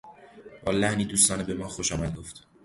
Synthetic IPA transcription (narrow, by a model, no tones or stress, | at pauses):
b̥ɒːlæhniːd̪uːst̪ɒːnebe̞mɒːxoʃɒːmæd̪̚ɡoft̪